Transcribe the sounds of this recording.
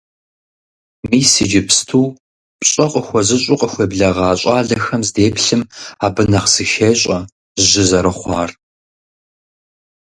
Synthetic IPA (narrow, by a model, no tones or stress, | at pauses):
miːsɨd͡ʒɪpʰstʰuː | pɕʼɐqʼəxʷɔzɨɕʼuqʼəxʷeːbɮɐʁɑːɕʼɑːɮɐxɐmzdeːpɬɨmaːbɨnɐqsɨʃeːɕʼɐ | ʒɪzɐɾɐχʷɑːr